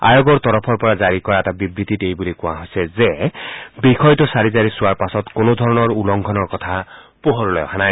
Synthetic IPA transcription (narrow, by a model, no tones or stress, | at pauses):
a̰joɡɔɹt̪ɔɹɔpʰɔɹpɔɹazaɹikɔɹaɛtabibɹit̪itejbulikʊ̃w̃a̰ɦojsɛzebikʰɔjtɔsaɹizaɹisʊwaɹpasɔtkonod̪ʱɔɹɔnɔɹulɔŋɡʰʱɔnɔɹkɔt̪ʰa | poɦoɹlɔjɔ̰kʰanaj